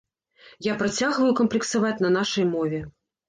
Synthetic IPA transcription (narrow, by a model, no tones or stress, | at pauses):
japɾat͡sʲaɣvɐjukɐmplʲɛksavat͡sʲnɐnaʂɐjmɔvʲɛ